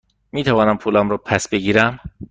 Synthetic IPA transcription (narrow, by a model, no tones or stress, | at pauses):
miːt̪ʰævɒːnæmpʰuːlæmɾɔːpʰæsbeɡiːɾæm